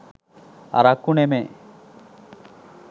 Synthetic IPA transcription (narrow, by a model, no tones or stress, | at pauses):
a̰ɾakːuneme